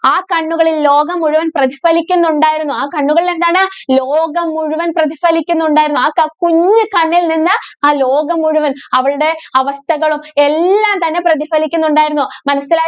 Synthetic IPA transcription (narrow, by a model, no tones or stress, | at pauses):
aːkɐɳːuɣɐɭillo̞ːɡɐmuɻuʋɐnprɐðifɐlikʲːunːuɳɖaːjiɾunːuaːkɐɳːuɣɐɭilend̪aːɳɨloːɡɐmuɻuʋɐnprɐðifɐlikʲːunːɳɖaːjiɾunːuaːkɐkuɲːɨkɐɳːilninːɨaːlo̞ːɡɐmuɻuʋɐnɐʋɐɭuɽe̞ɐʋɐst̪ʰɐɣɐɭume̞lːaːmt̪ɐnːe̞prɐðifɐlikʲːunːuɳɖaːjiɾunːumɐnɐsːilaː